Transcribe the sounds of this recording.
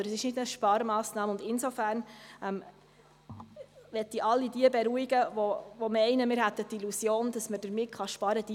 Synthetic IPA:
ɾəsɪʃnɪdnəʃpɑɾmɑːsnɑːməʊnd̪ɪnsofæːɾnɛm | ʋɛt̪ːiʔɑlːidiəbɛɾuiɡəʋoʋɔmɛɪnəmɪːɾɦæt̪ːət̪ilusjoːnd̥ɑsməd̥əɾmɪtχɑʃpɑɾəd̥i

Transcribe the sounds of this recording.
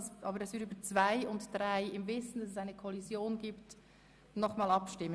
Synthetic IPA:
sʔɑːbəɾɛsvɪɾyːbət͡sv̥aɪʊntd̥ɾaɪɪmvɪsn̩d̥ɑsɛsaɪnəkʰɔlizjoːnɡiːpt | nɔχmɑːlɑpʃtɪmːə

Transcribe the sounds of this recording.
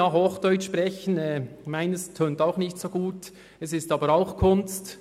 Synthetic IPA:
ahoːχd̥œʏt͡ʃʃpʁɛçənɛːmaɪnɛstʰøːntaʊxnɪçtsoːɡuːt | ɛsɪstɑːbəɾaʊxkʰʊnst

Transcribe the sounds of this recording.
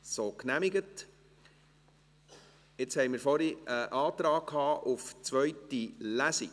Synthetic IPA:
soːknæmiɡət | ɪt͡shɛɪmɪːɾfɔɾiəʔɑːt̪ɾɑːkkʰhɑːʔuft͡sʋœʏtilæsi

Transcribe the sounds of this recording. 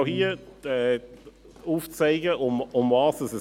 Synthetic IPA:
hiəɛ | uːft͡seɪɡəʊmʊmvɑːsdəsə

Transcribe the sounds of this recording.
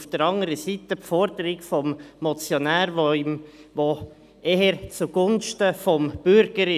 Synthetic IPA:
fd̥əɾɑŋəɾəsit̪əpfɔɾdəɾɪɡfɔmːɔt͡sjɔnæːɾvomʋo | eɦəɾt͡suɡ̥ʊnʃtəfɔmb̥ʏɾɡ̥əɾɪ

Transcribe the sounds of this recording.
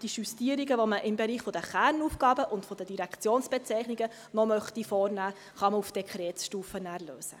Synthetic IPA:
d̥iʃustiːəɾiɡəʋɔməʔɪmbɛɾiːχfɔd̥̪əχæːɾnuːfɡ̥ɑːbəʔʊndfɔd̥̪ədiɾækt͡sjoːnsb̥ɛt͡sɛɪχniɡə | nɔmœχtifɔːɾnæː | χɑməufd̥ɛkʰχɾɛːtsʃtuːfənæːɾløːsə̰

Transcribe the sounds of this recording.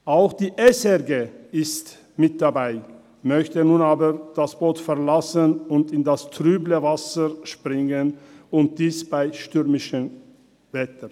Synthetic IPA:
ʔaʊxd̥iːʔɛsɛʁɡeːɪst | mɪt̚d̥abaɪ | mœçtənuːnaːbəʁd̥asb̥oːtfɛʁlasənʊntɪndastʁyːbləvasəʃpʁ̥ɪŋənʊnt̚d̥iːsb̥aɪʃtʏʁmɪʃə | v̥ɛtə

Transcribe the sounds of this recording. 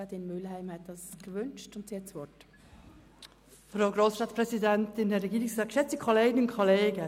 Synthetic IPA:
ɑtɪnmʏlhæɪmhɛt̚d̥ɑskvʏnt͡ʃtʊntsihɛtsʋɔt | fɾaʊɡɾoːsʃtɑːtpɾɛsidɛntɪnɛɾːɛɡiːɾɪksɑːtkʃɛt͡səkʰoleːɡənʊnkʰoleːɡə

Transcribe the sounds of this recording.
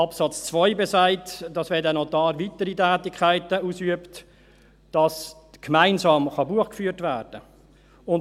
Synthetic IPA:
ɑpsɑt͡st͡svɔʏbesaɪtd̥ɑsʋɛːdɛnɔtɑːɾvitəɾitæːtɪkʰæɪtəuːsyəpt | d̥ɑskmæɪnzɑːmχɑbuəχkfyːtvæːɾd̥ə | ʊn

